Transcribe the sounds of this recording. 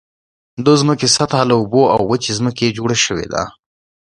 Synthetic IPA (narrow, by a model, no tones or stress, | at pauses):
d̪əzməkesat̪halauboa̰wːət͡ʃezməked͡ʒoɽaʃəwḛd̪a̰